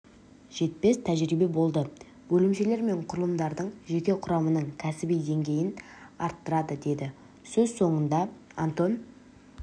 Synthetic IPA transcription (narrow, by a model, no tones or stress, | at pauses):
ʒ̥e̞t̪̚pe̞st̪ʰæʒɾibe̞bo̞lˠd̪ə | bɵlɪmʃe̞le̞ɾme̞ɴqʰʊɾəlˠəmd̪ɑɾd̪əɴʒe̞kʲe̞qʰʊɾɑmənəɴkʲʰæsɪbijd̪e̞ŋɡʲe̞jɪnɑɾt̪ːəɾɑd̪əd̪e̞d̪ɪ | sɵzso̞ɴənd̪ɑant̪o̞n